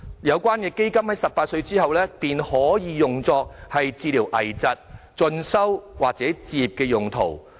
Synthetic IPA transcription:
jɐ˨˧wkʷaː˥nkɛː˧ke˥jkɐ˥mhɐ˨˥jsɐ˨p̚ːaː˧t̚sɵ˧ɥt͡siː˥ɦɐ˨wlɛː˥piː˨nhɔː˨˥jiː˨˧jʊ˨ŋt͡sɔː˧k̚hɐ˨jt͡siː˧liː˨˩wʔɐ̰˨˩jt͡sɐ˨t̚t͡ʃɵ˧nsɐ˥wwaː˨˩k̚t͡sɛː˨˥t͡siː˨p̚kɛː˧jʊ˨ŋt̪ʰo̰˨˩w

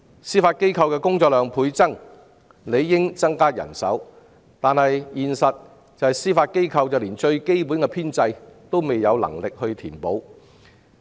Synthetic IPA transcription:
siː˥faː˧t̚ke˥jkʰɐ˧wkɛː˧kʊ˥ŋt͡sɔː˧k̚lœː˨˧ŋpʰuː˨˧jt͡sɐ˥ŋ | le˨˧jːɪ˥ŋt͡sɐ˥ŋkaː˥jɐ̰˨˩nsɐ̰˨˥w | t̪aː˨nhɐ˨jjiː˨nsɐ˨t̚ | t͡sɐ˨whɐ˨jsiː˥faː˧t̚ke˥jkʰɐ˧wt͡sɐ˨wliː˨˩nt͡ʃɵ˧ɥke˥jp̬uː˨˥nkɛ˧pʰiː˥nt͡sɐ˧jt̪o˥wme˨jːɐ˨˧wlɐ̰˨˩ŋlɪ˨k̚hɵ˧ɥt̪ʰḭː˨˩npo˨˥w

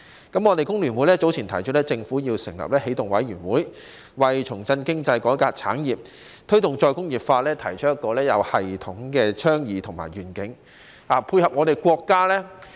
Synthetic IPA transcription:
kɐ˨˥mŋɔ˨˧t̪e˨jkʊ˥ŋlyː˨˩nwu˨˥jlɛː˥t͡so˨˥wt͡sʰiː˨˩nt̪ʰɐ˨˩jt͡ʃ̚ʰːlɛ˥t͡sɪ˧ŋfuː˨˥jiː˧wsɪ˨˩ŋlɐ̰˨p̚lɛː˥he˨˥jt̪ʊ˨ŋwɐ˨˥jɥyː˨˩nwuː˨˥j | wɐ˨jt͡ʃʰʊ˨˩ŋt͡sɐ˧nkɪ˥ŋt͡sɐ˧jkɔː˨˥kaː˧k̚t͡sʰaː˨˥njiː˨p̚ | t̪ʰɵ˥ɥt̪ʊ˨ŋt͡ʃɔː˧jkʊ˥ŋjiː˨p̚faː˧lɛː˥t̪ʰɐ˨˩jt͡ʃʰɵ˥jɐ˥kːɔː˧lɛː˥jɐ˨˧whɐ˨jt̪ʰʊ˨˥ŋkɛː˧t͡ʃʰœː˥ŋjiː˨˧˥t̪ʰʊ˨˩ŋma̰ː˨˩jɥyː˨˩nkɪ˨˥ŋ | haː˨˩pʰuː˧jhɐ˨p̚ŋɔ˨˧ɾe˨˩jkʷɔː˧kːaː˥lɛː˥

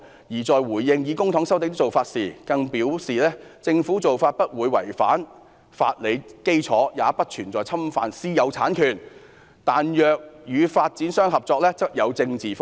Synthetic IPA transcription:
jiː˨˩t͡sɔː˨˧jwuː˨˩jjɪ˧ŋjiː˨˧kʊ˥ŋt̪ʰʊ˨˥ŋsɐ˥wt̪ɪ˧˥t̪t͡so˨˩wfaː˧t̚siː˨˩kɐ˧ŋpiː˨˥wsiː˨lɛː˥t͡sɪ˧ŋfuː˨˥t͡so˨wfaː˧t̚pɐ˥t̚wuː˨˧jwɐ̰˨˩jfa̰ː˨˥n | fa̰ː˧t̚le˨˧jke˥jt͡sʰɔː˨˥jaː˨˧pɐ˥t̚t͡ʃʰyː˨˩nt͡sɔː˨˩jt͡sʰɐ˥mfa̰ː˧nsiː˥jɐ˨˧wt͡sʰa̰ː˨˥nkʰyː˨˩n | t̪aː˨njœː˨˧k̚jyː˨˧faː˧t̚t͡siː˨˥nsœː˥ŋɦɐ˨p̚t͡sɔː˧k̚lɛː˥t͡sɐ˥k̚jɐ˨˧wt͡sɪ˧ŋt͡siː˨f

